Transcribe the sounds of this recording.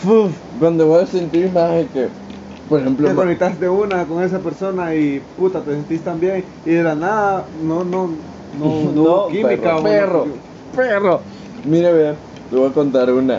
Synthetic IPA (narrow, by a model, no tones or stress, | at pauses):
fuf | ɡond̪eβojasent̪iɾmaheke | poɾexemploekonek̚t̪ast̪eunakoŋe̞s̬apeɾso̞naiput̪at̪esent̪ist̪ambje̞ŋ | iðelanaðanono | nonookiikaperoo | pero | miɾeβe | t̪eβojakont̪aɾuna̰